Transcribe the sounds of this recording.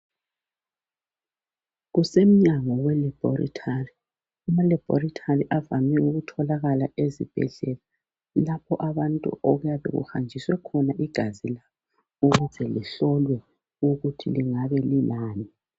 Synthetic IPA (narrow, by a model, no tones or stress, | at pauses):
ɣusem̩ɲaŋɔwɛlɛb̥ʱɔrḭtʰari | umalɛb̥ʱɔ̰ritʰariʔavamɛuɣutʰɔlaɣalaezḭb̥ʱɛ̰ɮɛla | lapʰɔʔaβantʼṵʔɔɣujaβɛ̰ɣṵxand͡ʒʱiswɛkʰɔnaʔiɡ̥ʱazilaβɔ | uɣuzɛlḭɬɔlwɛ | uɣutʰiliŋaβɛlinaːni